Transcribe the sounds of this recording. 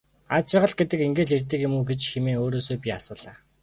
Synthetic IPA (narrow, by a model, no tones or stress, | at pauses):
at͡ɕɪ̆ʁə̆ɮ̚ɡet̪ɘ̆keŋɡeːɮert̪ɘ̆kjemuːɡet͡ɕxemeːoːɾoːsoːpʲiasʊːɮaː